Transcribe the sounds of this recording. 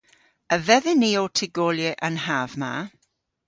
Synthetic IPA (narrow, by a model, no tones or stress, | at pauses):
əvɛðɛniːotʰɪɡɔːljeʔənhavma